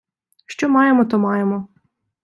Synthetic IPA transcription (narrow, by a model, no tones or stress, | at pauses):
ʃt͡ʃɔmɑjemɔt̪ɔmɑjemɔ